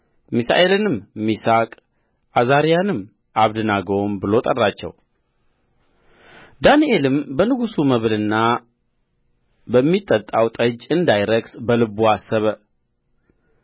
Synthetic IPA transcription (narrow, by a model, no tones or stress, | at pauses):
misa̰ʔe̞lɨnɨmmːisakʼ | ʔazaɾijanɨm | ʔaβd̪ɨnaɡombɨlo̞t̪ʼərːat͡ʃːɛ̰w | d̪anielɨmbənɨɡusuməβlɨnːa | bəmːit̪ʼːət̪ʼawt̪ʼəd͡ʒɨnd̪ajɾəɡsbəlɨbuasːəβə